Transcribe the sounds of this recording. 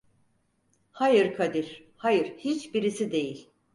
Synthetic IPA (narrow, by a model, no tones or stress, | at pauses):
hajɯɾkʰad̪iɾ̥ | hajɯɾ̥hit͡ʃbiɾisid̪e̞jilʲ